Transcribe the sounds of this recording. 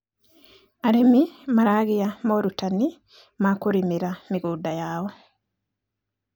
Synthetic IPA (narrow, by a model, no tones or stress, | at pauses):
aɾemimaɾaːɣijamoɾutani | makuɾimiɾamiɡuːdajaːwo